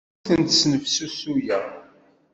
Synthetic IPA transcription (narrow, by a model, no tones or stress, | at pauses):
θənt̪snəvsusujæ